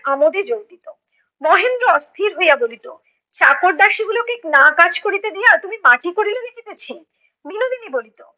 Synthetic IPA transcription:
amod̪ed͡ʑowd̪it̪o | mɔɦend̪ɾoɔst̪ʰiɾɦojabolit̪o | t͡ɕakoɾd̪aʃiɡulokeknakad͡ʑkoɾit̪ed̪ijaɾt̪umimaʈikoɾiled̪ikit̪et͡ɕʰi | binod̪inibolit̪o

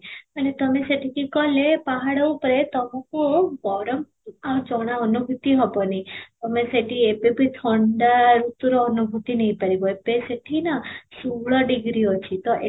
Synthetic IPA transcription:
aɳet̪ɔmeseʈʰikikɔlepaɦaɽəupɾet̪ɔmãkubɔɾɔm | at͡ʃɔɽ̃aɔnubʱut̪iɦɔbɔnit̪ɔmeseʈiepebit̪ʰɔɳɖaɾut̪uɾɔːnubʱut̪inəipaɾiboepeseʈʰinasuɭɔɖiɡɾiot͡ʃʰit̪ɔʔe

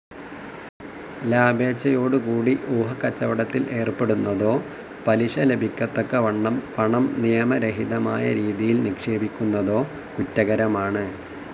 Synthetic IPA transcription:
laːbe̞ːt͡ɕːɐjo̞ːɽukuːɽiʔuːɦɐkːɐt͡ɕːɐʋɐɽɐt̪ːilʔe̞ːrpe̞ɽunːɐðo̞ː | pɐliɕɐle̞bʱikʲːɐt̪ːokːɐʋɐɳːɐmpɐɳɐmnijɐmɐɾeɦiðɐmaːjɐɾiːðijilnikʂe̞ːbikʲːunːɐðo̞ː | kutːɐɣɐɾɐmaːɳɨ

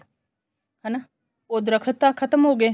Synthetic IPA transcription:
hɐna | oːd̪ɾəkʰət̪ːakʰɐt̪əmɦoːɡe

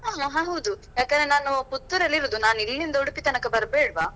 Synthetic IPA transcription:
ɦaːɦaɦãːɦɐwd̪ujaːkɐnd̪ɾenaːnuput̪ːuɾɐlːiɾoːd̪unaːnilːind̪ɐuɽupit̪ɐnɐkːɐbɐɾbeːɽʋaː

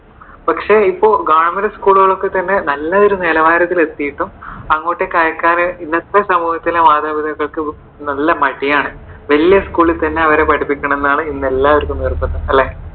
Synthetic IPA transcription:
pɐkʂeipːo̞ːɭɡaːɳɐmɐɾɐskuːɭuɣɐɭo̞kːet̪ɐnːe̞nɐlːɐoɾuneːlɐʋaːɾɐt̪ːile̞t̪ːijiʈːumɐŋːo̞ːʈːe̞kaːjɐkːaːɾɐinːɐt̪ːɐsɐmuːhɐt̪ːileʋaːd̪ɐbid̪ʱɐɣːɐɭkɨ | nɐlːɐmɐʈːijaːɳɨʋɐlijɐskuːɭilt̪ɐnːe̞ɐʋɐɾeːpɐʈʰipːikʲːɐɳɐ̃me̞nːaːɳɨinːelːaːʋɐɾkːɨnirpːɐnːɐɐlːe

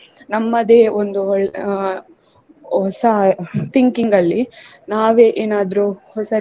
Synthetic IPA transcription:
nɐmːɐd̪eːond̪uɔɭ | hɔsɐt̪iŋkiŋɡɐlːi | naːʋe̞ːʔeːnaːd̪ɐɾuhɔsɐ

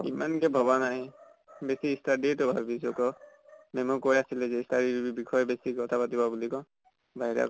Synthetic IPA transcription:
ḭmankɛbʱɔbanaɦɛ | besiːstadetɔbʱabbisɔkɔ | mɛmɔkojasilɛzɛistaɾibibibikʰɔjɔbesikɔt̪ʰapatibɔbulikɔ | baɦiɾa̰

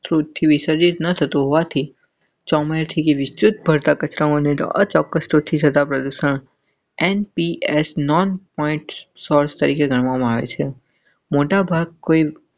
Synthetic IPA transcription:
sɾut̪̚t̪ʰːiʋɪsəɾd͡ʒit̪nət̪ʰət̪ũɦoʋat̪ʰi | t͡ʃɔmeɾt̪ʰikeʋɪst͡ʃut̪̚bʱəɾt̪akət͡ʃɾəonet̪ə̰t͡ʃɔkːəsɾut̪̚t̪ʰːit̪ʰət̪apɾəd̪uʃəɳ̃ | enpiesnɔnpɔĩɳʈsɔɾst̪əɾikeɡʱəɽ̃ʋamãaʋḛt͡ʃʰe | moʈabʱaɡ̚koi

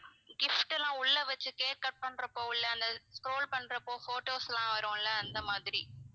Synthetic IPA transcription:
ɡɪfʈɛlãːʊɭːɐʋɐt͡ʃːɯkeːɾ̚kɐʈ̚pɐɳːɾɐpːoːɪlːɐɐnd̪ɐskɾoːlpɐɳːɾɐpːoːfoːʈoːsɛlãːʋɐɾõːɪlːɐːnd̪ɐmaːðɪɾi

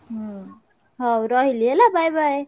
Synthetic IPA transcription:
ɦ | ɦʌwɾʌɦilielabajbaj

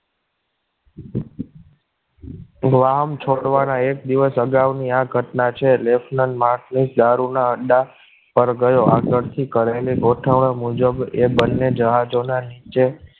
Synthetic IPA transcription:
ɡʋaɦəmt͡ʃʰoɽʋanaek̚d̪iʋəsəɡaʋniaɡʱəʈnat͡ʃʰelefʰnənmaɾʈʰnid͡ʒd̪aɾunaəɖa | pəɾɡəjoaɡəɾt̪ʰikəɾaliɡoʈʰəʋɳəmud͡ʒəbebənːed͡ʒəɦad͡ʒonanit͡ʃe

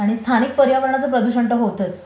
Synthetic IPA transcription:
aɽ̃ist̪ʰanik̚pəɾjaʋəɾɳat͡səpɾəd̪uɕəɳʈəɦot̪ət͡s

